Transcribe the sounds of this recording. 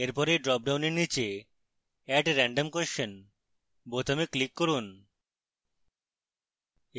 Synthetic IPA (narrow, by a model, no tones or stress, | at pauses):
eɾpɔɾeɖɾɔp̚ɖawneɾnit͡ɕe | ɛʈɾɛɳɖomkoʃon | bot̪ameklikːoɾun